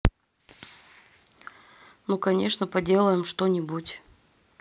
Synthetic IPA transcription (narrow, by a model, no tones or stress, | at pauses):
nukɐnʲe̞ʂnəpɐdʲe̞lˠəjɪmʂt̪onʲɪbutʲ